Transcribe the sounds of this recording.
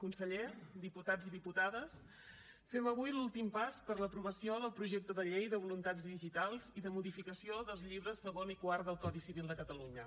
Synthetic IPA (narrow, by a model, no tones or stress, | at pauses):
kunsəʎed̪iput̪ad͡ziðiput̪aðəs | fɛməβujlulˠt̪impaspəɾləpɾuβəsioðəlˠpɾuʒek̚t̪əðəʎejðəβulunt̪ad͡zðiʒit̪alˠziðəmuðifikəsioðəlˠzʎiβ̞ɾəsːəɣonikwaɾdəlˠkɔðisiβilˠd̪əkət̪əluɲə